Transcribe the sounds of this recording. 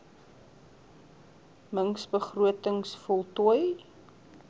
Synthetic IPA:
məŋsbəχruətəŋsfɔlˠtuj

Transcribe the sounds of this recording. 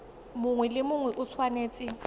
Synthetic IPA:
mʊŋwɛlɪmʊŋwɛʔʊt͡sʰwaneːt͡sʼɪ

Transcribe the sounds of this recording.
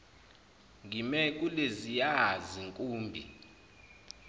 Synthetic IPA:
ŋɡʱimɛk̬ʼulezijaziŋkʼuːmbʱi

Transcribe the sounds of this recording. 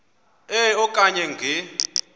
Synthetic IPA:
ɛɔkʼaɲɛŋɡʱɛ

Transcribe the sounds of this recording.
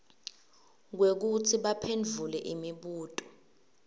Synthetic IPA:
k̬wek̬utʰiɓapʰend͡ɮʱulɛʔimiɓuːtʼɔ̥

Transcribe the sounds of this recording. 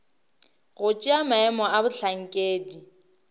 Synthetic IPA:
ɣʊt͡ʃʼiamaɛmɔabʊɬʰaŋ̩kʼeːdi

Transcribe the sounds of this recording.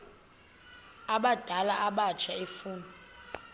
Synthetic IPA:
aɓad̥ʱalaʔaɓat͡ʃʰaefuːnɔ

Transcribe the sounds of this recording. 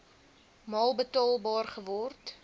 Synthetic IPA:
mɑːlˠbətɑːlˠbɑːrχəvɔrt

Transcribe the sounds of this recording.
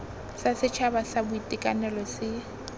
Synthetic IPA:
sasɪt͡ʃʰabasabʊitʼɪkʼanɛlɔsɪ

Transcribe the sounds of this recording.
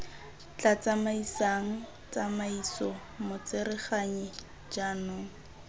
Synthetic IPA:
t͡ɬat͡samaisaŋ̩ | t͡samaisɔ | mʊt͡sɪɾɪχaɲi | d͡ʒanʊːŋ̩

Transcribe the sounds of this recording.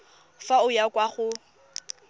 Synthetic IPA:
faʊjakʼwaχʊ

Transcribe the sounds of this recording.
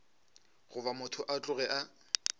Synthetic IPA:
ɣʊbamʊtʰʊʔat͡ɬʼʊɣɛʔa

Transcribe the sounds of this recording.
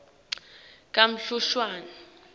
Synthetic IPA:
k̬ʼam̩ɬuʃwaːna

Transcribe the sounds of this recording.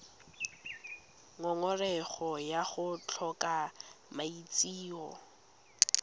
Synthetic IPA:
ŋɔŋɔrɛχɔjaχʊt͡ɬʰɔkamait͡sʼiːɔ

